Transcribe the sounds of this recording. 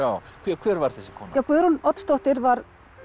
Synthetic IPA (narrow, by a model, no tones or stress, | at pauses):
aːwkʰvɛkʰvɛːɾvaɾ̥θɛsːɪ̥kʰɔːnajawkʰvɛɾunɔt̪st̪owht̪ɪɾvaɾ